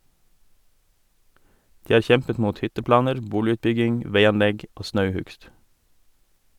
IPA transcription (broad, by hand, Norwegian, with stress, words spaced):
ˈdiː ˈɑːɾ ˈçɛmpət ˈmuːt ˈhʏtəˌplɑːnəɾ ˈbuːlɪʉːtˌbʏɡɪŋ ˈʋeɪɑnˌlɛɡ ˈoː ˈsnɑʉˌhʉɡst